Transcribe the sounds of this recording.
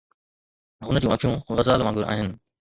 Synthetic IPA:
ɦʊnəd͡ʑũːɐkʰijũɣɐzaːlʋãːŋɡʊɾʔa̰ːɦɪnɪ̆

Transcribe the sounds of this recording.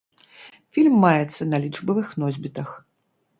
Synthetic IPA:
fʲilʲmːajɛt̪sːɐnɐlʲiʐbɐvɨxnɔzʲbʲit̪ɐx

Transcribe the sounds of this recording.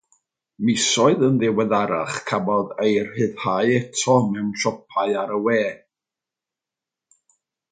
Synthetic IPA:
mɪsɔɨðənðɪwɛðaɾa̰χkʰamɔðejrhɨð̥haɨɛtʰɔmɛwnɬɔpʰaɨaɾəwɛː

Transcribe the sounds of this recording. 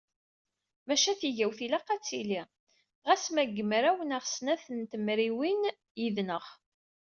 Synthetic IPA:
mæʃæθiʝæwθilæqɑt͡sːili | ʁæsmæɡəmɾæwənaʁsnæθənt̪əmɾiwin | jiðnəʁ

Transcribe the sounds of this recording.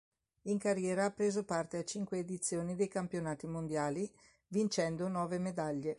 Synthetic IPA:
iŋkarjɛːɾaapːɾeːzopart̪eat͡ʃiŋkweːd̪it̪sːjoːnid̪ejkampjonaːt̪imond̪jaːli | vint͡ʃɛnd̪onɔːvemed̪aʎːe

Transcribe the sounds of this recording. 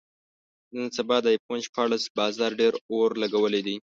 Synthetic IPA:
nənsabɑd̪ajponʃpɑɽasbɑzɑɾɖeɾoɾlaɡawəled̪i

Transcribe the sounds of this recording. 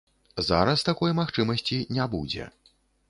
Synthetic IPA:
za̰ɾɐst̪akɔjmaxt͡ʂɨmɐsʲt͡sʲinʲabṵd͡zʲɛ̰

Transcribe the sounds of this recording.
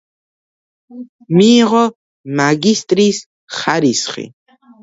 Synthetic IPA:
miːʁɔ | maɡist̪ʼɾis | χaɾisχḭ

